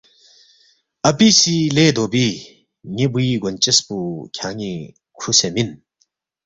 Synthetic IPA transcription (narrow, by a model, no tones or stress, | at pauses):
ɐpisiled̪obi | ŋibuiɡont͡ɕespukʰjaːŋi | kʰusemin